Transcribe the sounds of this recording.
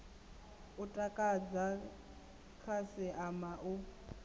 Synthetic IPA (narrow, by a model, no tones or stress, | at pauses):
ʊtʼakʼad͡za | kʰasɪʔamaʔʊ